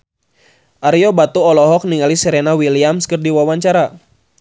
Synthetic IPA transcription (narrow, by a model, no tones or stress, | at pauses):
ʔaɾiɔbat̪uɔlɔɦɔk̚niŋalisəɾɛnawiliamskərdiwawaɲt͡ʃaɾa